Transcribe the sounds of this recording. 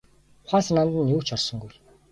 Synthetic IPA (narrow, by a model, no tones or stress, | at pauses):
χʷaːs̆nant̪ə̆njuːkt͡ɕʰɔrsɞ̆ŋɡuj